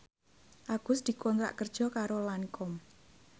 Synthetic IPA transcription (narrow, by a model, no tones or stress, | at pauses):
ʔaɡ̥ʊ̤sd̪̥i̤kɔnt̪ɾa̰ʔkərd̥ʒ̥ɔ̤kaɾolanikɔm